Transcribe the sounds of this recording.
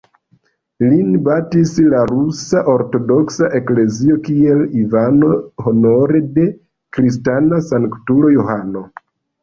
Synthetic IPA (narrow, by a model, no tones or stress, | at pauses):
linbatislaɾusaʔoɾto̞do̞ksaʔe̞kle̞zio̞kie̞livano̞ho̞no̞ɾe̞de̞ | kɾis̬tanasaŋktulo̞johano̞